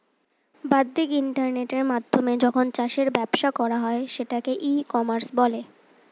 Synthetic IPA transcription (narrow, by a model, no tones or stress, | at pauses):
bad̪ːikiɳʈaɾneʈeɾmad̪ʱːomed͡ʑɔkʰont͡ɕaʃeɾbɛbʃakɔɾaɦɔeʃeʈakeʔikɔmaɾsbɔle